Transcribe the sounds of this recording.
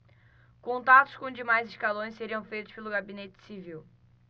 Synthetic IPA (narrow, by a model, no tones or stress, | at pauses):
kõnt̪at̪ʊ̥skõd͡ʒɪmajzɪʃkalõj̃seɾiɐ̃w̃fejt̪ʊʃpelʊɡabinet͡ʃɪ̥siviw